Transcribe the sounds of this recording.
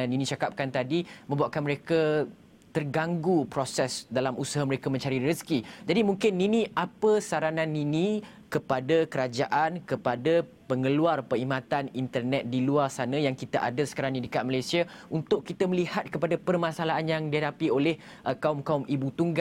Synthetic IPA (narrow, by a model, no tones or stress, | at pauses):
ninĩt͡ʃakap̚kant̪adimə̃mbuaʔkanməɾeka | t̪ərɡaŋɡupɾosɛsdalamusaɦaməɾekamə̃ɲt͡ʃaɾiɾəskid͡ʒadimuŋkɪnːinĩʔapəsaɾanãninĩ | kəpadakəɾad͡ʒaʔankəpada | pəŋəluarpəɾimãt̪anint̪ərnɛt̪̚diluarsanãjaŋkit̪aʔa̰dasə̥kaɾaŋnidəkat̪̚malajsiaunt̪ʊʔkːit̪aməlihat̪̚kəpadapərmãsalaʔanjaŋdiɦadapiolɛh | ʔəkaumkaumibut̪uŋɡa